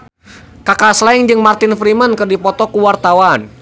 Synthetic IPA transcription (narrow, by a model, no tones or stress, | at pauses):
kakaslaɪŋd͡ʒɨŋmart̪ɪnfɾimənkɨrdipɔt̪ɔkuwart̪awan